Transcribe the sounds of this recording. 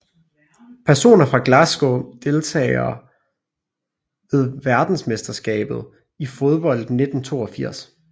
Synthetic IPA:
pʰæɐso̝̰ːnɐfʁɑ̈ɡ̥læsɡ̥o̝d̥e̝lt͡sʰɛ̰ːɪɐ | ʋe̝ð̞ˠʋæɐd̥n̩smesd̥ɐsɡ̥ɛ̰ːb̥ð̞̩ˠ | ifo̝ð̞ˠb̥ɒ̽l̰d̥ne̝d̥n̩t͡sʰo̝̰ːɒfiɐ̰s

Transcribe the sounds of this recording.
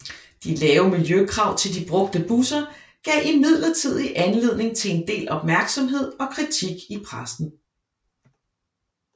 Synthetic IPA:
d̥ilɛːʊmiljøkʰʁɑ̈ʊ̰t͡sʰe̝ld̥ib̥ʁɔ̽ɡ̥d̥əb̥usɐ | ɡ̥ɛ̰ʔimið̞̰ˠlɐt͡sʰið̞̰ˠiʔænle̝ð̰ˠne̝ŋt͡sʰe̝e̝nd̥e̝̰ːlɒ̽b̥mæɐɡ̥sɒ̽mɦe̝ð̰ˠɒ̽kʰʁit͡sʰiɡ̥ipʰʁasn̩

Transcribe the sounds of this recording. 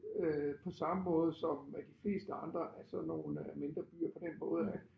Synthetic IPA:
øpʰɒ̽sɑ̈məmɔ̽ːð̞̩ˠsɒ̽mmæd̥ifle̝̰ːsd̥əɑ̈nd̥ʁɐʔæsɒ̽nːo̝ːnme̝nd̥ʁɐb̥y̰ːɐpʰɒ̽d̥enmɔ̽ːð̞̩ˠæ

